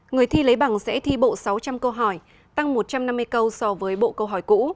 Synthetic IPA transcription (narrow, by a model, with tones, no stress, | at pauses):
ŋɨ˨˩əjt̪ʰi˧lə˨˦jɓa˨˧˩ŋsɛ̰˧˥t̪ʰi˧ɓo̰˧˨sa˨˦wt͡ɕa˧mkə˧wɦɔ˧˩j | t̪a˧ŋmo˨˩t̚t͡ɕa˧mna˧mːɨ˧jkə˧wsɔ˧vəː˨˦jɓo̰˧˨kə˧wɦɔ˧˩jkṵ˧˥